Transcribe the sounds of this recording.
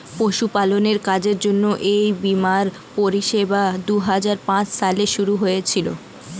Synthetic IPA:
poʃupaloneɾkad͡ʑeɾd͡ʑonːoʔejbimaɾ | poɾiʃebad̪uɦad͡ʑaɾpãt͡ɕʃaleʃuɾuɦojet͡ɕʰilo̰

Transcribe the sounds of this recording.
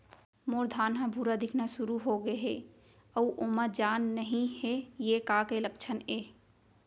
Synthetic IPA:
moːɾd̪ʱaːnɦãbʱuːɾad̪ɪkʰnasʊɾuɦoɡeɦe | əuʔomad͡ʒaːnːəɦĩɦejekakelək̚t͡ʃʰəneː

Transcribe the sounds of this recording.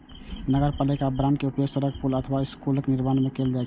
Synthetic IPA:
nəɡəɾpalikabɾankeupjoɡsəɾəkpʰulət̪ʰəʋaɪskulknɪɾmanmekeld͡ʒat͡ʃʰ

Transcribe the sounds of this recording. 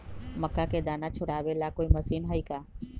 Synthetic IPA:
mɐkːaked̪aːnat͡ʃʰʊɽaːʋelakoːimɐsiːnɦaikaː

